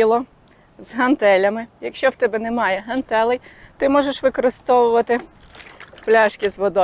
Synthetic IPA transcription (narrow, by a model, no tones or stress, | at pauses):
ilˠɔ | zɦɐnt̪ɛlʲɐmɪjɐkʃʲt͡ʃɔwt̪ɛbɛnɛmɑjɛɦɐnt̪ɛlˠɛjt̪ɪmɔʒeʃʋɪkɔɾɪst̪ɔʋʊʋɐt̪ɪ | plʲɑʃkʲizʋɔd̪ɔ